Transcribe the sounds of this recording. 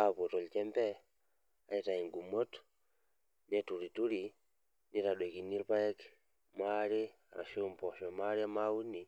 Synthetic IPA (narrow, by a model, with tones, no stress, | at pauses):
a˦po˨tɔ˨lt͡ʃɛ˦mpɛ˦ | a˨e˨ta˨i˨ŋɡu˨mo˦t | nɛ˦tu˨ɾi˨tu˦ɾi˨ | ni˦ta˨ɗwe˨ki˨ni˦ɾpa˦jɛ˦k | mwaɾe˦a̰˨ɾa̰˨ʃo˦mpɔ˨ʃɔ˨ma˦ɾe˦a˦mau˦ni˨